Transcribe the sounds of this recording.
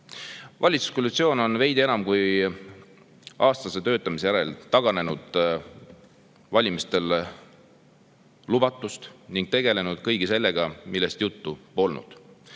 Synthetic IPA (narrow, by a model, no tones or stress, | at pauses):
vɑlʲit̪su̥skolːit̪sio̞ːno̞nve̞jd̪ie̞nɑmkuj | ɑːst̪ɑse̞t̪ø̞ːt̪ːˑɑmis̬ejæɾe̞lt̪ɑɡ̥ɑne̞nud̪̥ | vɑlʲimist̪e̞l | lub̥ɑt̪ːˑust̪niŋɡ̥t̪e̞ɡ̥e̞le̞nud̪̥̚kɤjɡ̥ise̞lːe̞ɡ̥ɑmilːe̞st̪jut̪ːupo̞lnṵd̪̥